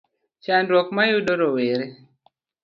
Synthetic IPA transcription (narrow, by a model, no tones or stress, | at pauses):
t͡ʃandɾwɔkmajuɗoɾɔweɾe